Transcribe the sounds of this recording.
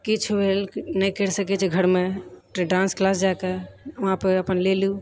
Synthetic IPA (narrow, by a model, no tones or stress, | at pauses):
kit͡ʃʰubʱelnəjkəɾsəkɛt͡ʃʰɛɡʱəɾmeʈɖãnsklas̬d͡ʒaekeuɦãpəɾəpənlelu